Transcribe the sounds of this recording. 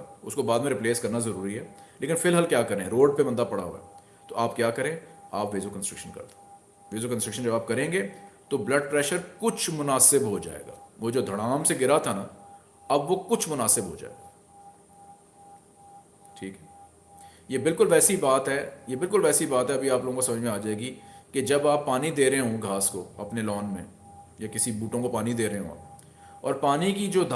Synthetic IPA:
ʊ̰skobaːd̪mẽɾɪpleːskɐɾnazɐɾuːɾiɦɛːlʔeːkɪnfɪlɦalkjaːkɐɾẽːɾoːɖ̚pebɐ̃nd̪apɐɽa̰ɦo̰ːɛ̰ː | t̪oʔaːp̚kjaːkɐɾẽːa̰ːpʋeːzokə̃nsʈɾɪkʃənkɐ̰ɾt̪ | ʋeːzokənsʈɾɪkʃənd͡ʒɐbaːp̚kɐɾẽːŋɡeːt̪oblɐɖ̚pɾɛːʃəɾkʊt͡ʃʰmʊnaːsɪbɦod͡ʒa̰ːḛːɡa̰ːʋod͡ʒoːd̪ʱɐɽ̃aːmseɡɪɾat̪ʰana | ɐbʋokʊt͡ʃʰmʊnaːsɪbɦo̰d͡ʒa̰ːḛːɡaː | ʈʰiːkɦɛ | jeːbɪlkʊlʋɛːsibaːt̪ɦɛjebɪlkʊlʋɛːsibaːt̪ɦɛɐbʱiaːploːɡõkasɐməd͡ʒmẽaːd͡ʒaːeːɡiked͡ʒɐbaːpːaːnid̪eːɾəɦeɦõɡʱaːsko̰ɐpnelɔːnmḛ̃ | jakɪsibuːʈõkopaːnid̪eːɾəɦeɦõ̰a̰ːp | ɔ̰ːɾpaːnikid͡ʒoːd̪ʱ

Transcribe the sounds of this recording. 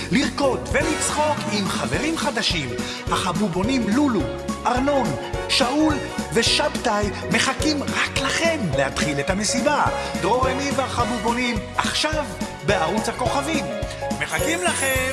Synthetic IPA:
liʁko̞d̪velit͡sχo̞kimχave̞ʁimχad̪aʃim | haχabubo̞nimlulu | ʔaʁno̞nʃaʔul | ve̞ʃabt̪aj | me̞χakimʁaklaχe̞mlehat̪χilet̪hame̞sibad̪ʁo̞ʁenimvehaχabubo̞nimʔaχʃav | be̞aʁut͡shako̞χavimːe̞χakimlaχe

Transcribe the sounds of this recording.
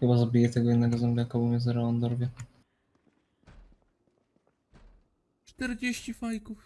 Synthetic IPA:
ɘbazabʲijɛt̪ɛɡɔjɛd̪nɛɡɔzɛmblʲɛjakabumʲɛzɛɾaand̪ɔɾvʲjɛ | t͡ʂt̪ɛɾd͡ʑeɕifajkuf

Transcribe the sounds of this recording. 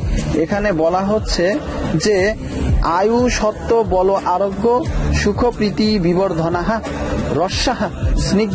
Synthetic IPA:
ekʰanebɔlaɦotːɕʰe | d͡ʑe | ajuʃɔt̪ːobɔloʔaɾoɡːoʃukʰopɾit̪ibiboɾd̪ʱonaɦã | ɾɔʃːaɦãsni

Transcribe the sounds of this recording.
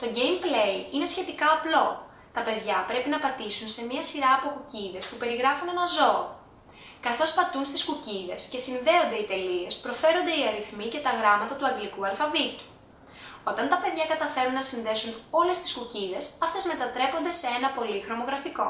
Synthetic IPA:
t̪o̞ɟe̞jmple̞jine̞sçe̞t̪ikɐːplo̞ | t̪ɐpe̞ðʝɐpɾe̞pinɐpɐt̪isunse̞miɐsiɾɐːpokuciðe̞spupe̞ɾiɣɾɐfune̞nɐzo̞ː | kɐθo̞spɐt̪unst̪iskuciðe̞sce̞sinðe̞o̞nd̪e̞it̪e̞lie̞spɾo̞fe̞ɾo̞nd̪e̞iɐɾiθmice̞t̪ɐɣɾɐmɐt̪ɐt̪uɐŋɡlikuɐlfɐvit̪u̥ | o̞t̪ɐnt̪ɐpe̞ðʝɐkɐt̪ɐfe̞ɾunːɐsinðe̞suno̞le̞st̪i̥skuciðe̞sɐft̪e̞zme̞t̪ɐt̪ɾe̞po̞nd̪e̞seenɐpo̞lixɾo̞mo̞ɣɾɐfiko̞

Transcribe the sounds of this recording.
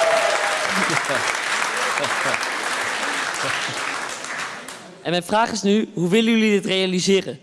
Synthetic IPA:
ʔɛnmɛjnvraːχɪsnyɦuʋɪlənjɵlidɪtrejalizɪːrə

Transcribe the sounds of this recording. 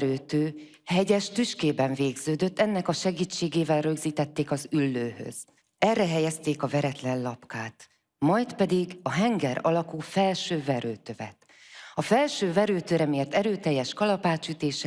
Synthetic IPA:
ɾøːt̪øː | hɛɟɛʃt̪yʃkeːbɛɱveːɡz̥øːd̪ø̞t̪ːɛnːɛkɒʃɛɡiːt͡ʃːeːɡeːvɛlrø̞ɡziːt̪ɛt̪ːeːkɒzylːøːhø̰z̥ | ɛrːɛɦɛjɛst̪eːkɒvɛɾɛt̪lɛnlɒpkaːt̪ | mɒjt̪pɛd̪iɡɒɦɛŋɡɛɾɒlɒkuːfɛlʃøːvɛɾøːt̪øvɛ̰t̪ | ɒfɛlʃøːvɛɾøːt̪øːɾɛmijɛt̪ːɛɾøːt̪ɛjːɛʃkɒlɒpaːt͡ʃyt̪eːʃɛ

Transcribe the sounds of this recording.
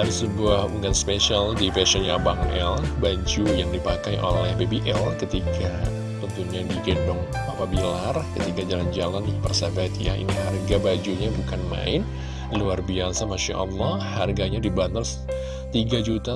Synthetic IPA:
daɾisəbuahuŋɡanspesialdifɛsɔnja̰baŋɛ̰lbad͡ʒujaŋdipakajʔo̰lɛhbebiʔɛlkət̪ikʰa | t̪ənt̪uɲadiɡɛdɔŋ | apabilarkət̪ikad͡ʒaland͡ʒalanpərsabat̪ja̰ḭniɦarɡabad͡ʒuɲabukanma̰ɪn | luarbiasamaʃa̰ʔɑ̰lːɔhharɡaɲadibanəls | t̪iɡad͡ʒut̪a

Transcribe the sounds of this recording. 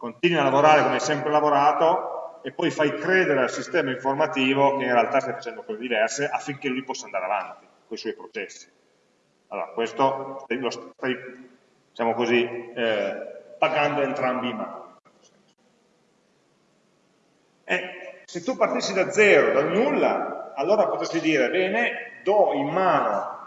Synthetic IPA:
kont̪iːnwialːavoɾaːɾekomɛsɛmpɾelavoɾaːt̪oepːɔjfajkɾeːd̪eɾealsist̪ɛːmaiɱformat̪iːvokeinrealt̪ast̪ajfat͡ʃɛnd̪okɔːzed̪ivɛrseʔafːiŋkelujpɔsːand̪aɾeavant̪i | koiswɔjpɾot͡ʃɛsːi̥ | alːo̰ɾakwest̪ost̪ajlosst̪aj | d̪it͡ʃaːmokozi | paɡand̪oent̪ɾambima̰ːnoo | s | ɛset̪ːupart̪isːid̪ad̪zːɛːɾod̪alnulːaːlːoːɾapot̪est̪id̪iːɾebɛːned̪ɔimːaːno

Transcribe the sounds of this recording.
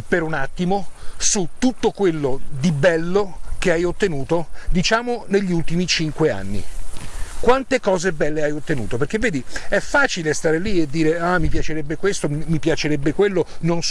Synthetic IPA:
peɾunat̪ːimosut̪ːut̪ːokwelːod̪ibɛlːokeajot̪ːenuːt̪od̪it͡ʃaːmoneʎːiult̪imit͡ʃiŋkwea̰nːḭ | kwant̪ekɔːzebɛlːeajot̪ːenṵːt̪operk̟evːeːd̪iɛfːaːt͡ʃilest̪aːɾelied̪ːiːɾeamːipjat͡ʃeɾɛbːekwest̪omipjat͡ʃeɾɛbːekwelːonons

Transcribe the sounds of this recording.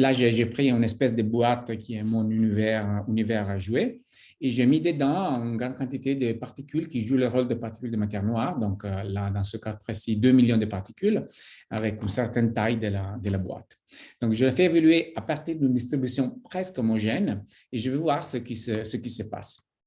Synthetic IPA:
laʒeʒepχiynɛspɛs̬d̪əbwat̪kʲʰiɛmɔ̃nynivɛʁynivɛʁʒueː | ʒemid̪əd̪ɑ̃ynɡʁɑ̃d̪kɑ̃t̪it̪ed̪əpaʁt̪ikylkiʒuləʁold̪əpaʁt̪ikyld̪əmat̪jɛʁnwaʁd̪ɔ̃klad̪ɑ̃səkapχesid̪ømiljɔ̃d̪əpaʁt̪i̥kyla̰vɛkynsɛʁt̪ɛ̃nt̪ajd̪əlad̪əlabwa̰t̪ | d̪̥ɔ̃ŋkʒəlefɛːvolyeapaʁt̪iʁd̪ynd̪ist̪ʁibysjɔ̃pχɛskomɔʒɛn | eʒəvɛvwaʁsəkisəsəkisəpa̰s

